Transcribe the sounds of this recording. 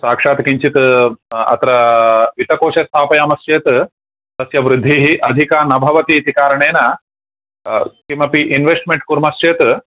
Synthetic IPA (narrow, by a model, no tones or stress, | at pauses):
saːkʂaːt̪kiɲt͡ʃit̪ɐ̰t̪ɾɐʋit̪ɐkoːʃɐst̪ʰaːpɐjaːmɐst͡ʃeːt̪ | t̪ɐsjɐʋɾɪd̪ʱːiɦiʔɐd̪ʱikaːnɐbʱɐʋɐt̪it̪ikaːɾɐɳeːnɐ | kimɐpiʔinʋesʈmeɳʈkuɾmɐst͡ʃeːt̪